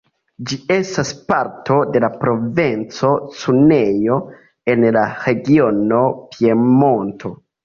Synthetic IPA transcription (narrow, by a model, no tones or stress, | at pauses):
d͡ʒie̞staspaɾtʰo̞de̞lapɾo̞vent͡so̞t͡sunejo̞ | e̞nlaɾe̞ɡio̞no̞piemo̞nto̞